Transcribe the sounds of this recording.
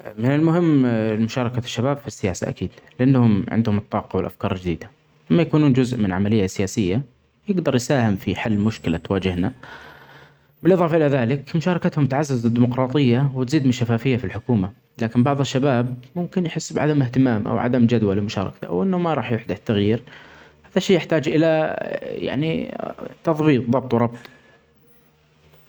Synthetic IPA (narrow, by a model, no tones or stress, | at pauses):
mɪnɪlmʊhɪmːmʊʃɑːɾˤɑkaʃːabaːbfisːɪjaːsa̰ʔa̰kiːd̪lɪʔanːhʊmʕɪ̰nd̪hʊmɨt̪ˤːɑːqɑwɪlʔafkɑːɾˤɪld͡ʒd̪iːd̪a | mːajakuːnuːnd͡ʒʊzʔmɪnʕamalɪjːasɪjaːsɪjːa | jɪɡd̪ɑɾˤjsaːhɪmfiħalːmʊʃkɪlat̪waːd͡ʒɪhna | bɪlʔɨðˤɑːfɑʔɪlaðaːlɪkmʊʃɑːɾˤɑkat̪hʊmt̪aʕazːazad̪ːiːmʊqɾˤɑːt̪ˤɨjːawɪt̪ziːd̪mɪnʃafaːfɪjːafilħʊkuːma | laːkɪmbɑʕðˤɨʃːabaːbmʊmkɪnjħɪsːbɪʕad̪amɪht̪ɪmaːmʔa̰wʕa̰d̪amd͡ʒad̪walɪmʊʃɑ̰ːɾˤɑ̰kt̪a̰wʔɪnːʊmaɾˤɑːħjʊħd̪ɪt̪ːaɣjiːɾ | haːðaʃeːjɪħt̪aːd͡ʒʔɪlaja̰ʕnḭt̪ɑðˤbiːt̪̚ˤðˤɑb̚t̪ˤwɾˤɑbt̪ˤ